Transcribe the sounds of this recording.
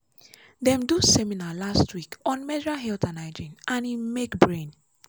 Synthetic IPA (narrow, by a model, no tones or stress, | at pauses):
dɛ̃mdusɛminalastwikɔ̃nmɛdɹaɦɛltãnaɪd͡ʒĩnʔãnimekbɹẽn